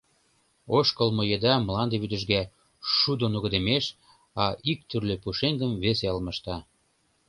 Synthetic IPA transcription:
oʃkəlmojed̪ɑmlɑnd̪eβyd̪ə̆ʒɣæ | ʃud̪onuɣə̆d̪ə̆meʃ | ɑʔik̚t̪yrløpuʃeŋɡəmveseəlmə̆ʃt̪ɑ

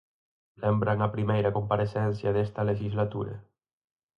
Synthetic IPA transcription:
lembɾaŋapɾimejɾakumpaɾesɛnsjaðest̪aleʒizlat̪uɾḛ

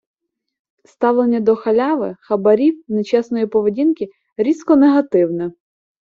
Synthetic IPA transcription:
st̪ɑwlˠenʲːɐd̪ɔxɐlʲɑʋɪxɐbɐɾʲiwnet͡ʃɛsnɔjipɔʋedʲinkʲi | ɾʲizkɔneɦɐt̪ɪwnɛ

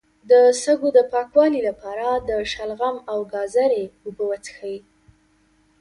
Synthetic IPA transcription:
d̪əsəɡod̪əpɑkwɑlilapɑɾad̪əʃalɣamawɡɑzaɾeubəwat͡sxawi

